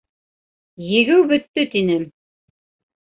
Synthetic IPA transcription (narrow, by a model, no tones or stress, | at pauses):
jɘ̆ɡɘwbɵ̆t̪ːɵt̪inɘ